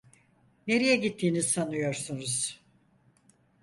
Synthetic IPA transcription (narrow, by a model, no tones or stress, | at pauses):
ne̞ɾijɛɟit̪ʰːiːnizsanɯjo̞ɾsunuz̥